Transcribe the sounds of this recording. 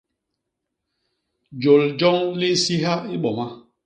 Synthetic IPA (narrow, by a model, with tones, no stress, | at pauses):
d͡ʒo˨ld͡ʒɔ˦ŋli˦si˦ɦa˦i˦ɓɔ˨ma˦